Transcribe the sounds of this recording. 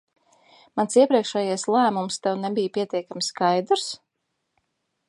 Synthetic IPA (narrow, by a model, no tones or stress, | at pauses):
mansiɛpɾiɛkʃɛjajslˠæːmumst̪ɛwnɛbijpʲiɛt̪ʲiɛkamʲiskajd̪ɾs